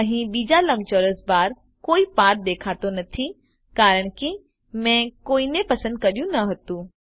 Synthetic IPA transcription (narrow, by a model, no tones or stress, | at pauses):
ɦĩɓiːd͡ʑalɐ̃mt͡ɕoɾəsbaːɾ | koːipaːɾ̚d̪eːkʰaːt̪onɐt̪ʰi | kaːɾəɽ̃ki | mɛ̃koːinẽpɐsə̃nd̪̚kɐɗijũnɐɦɐt̪ũː